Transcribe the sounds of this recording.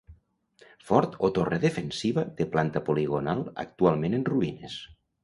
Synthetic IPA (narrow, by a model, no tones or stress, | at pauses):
fɔɾt̪ot̪oreðefensiβaðeplant̪əpoliɣ̞onalˠə̰k̚t̪ualˠmenenruines